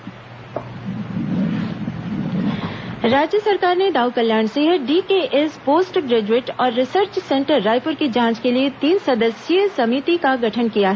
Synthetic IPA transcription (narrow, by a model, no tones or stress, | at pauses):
ɾaːd͡ʒjəsɐɾkaːɾned̪aːukɐljaːɳseɦəɖiːkeːʔɛspoːsʈɡɾeːd͡ʒuɪʈɔːɾːɪsəɾt͡ʃsɛ̃ɳʈəɾːaːɪpʊɾkid͡ʒʱãːt͡ʃkeliet̪iːnsɐd̪əsjəsɐmit̪ikaɡʱɐʈʰənkijaɦɛ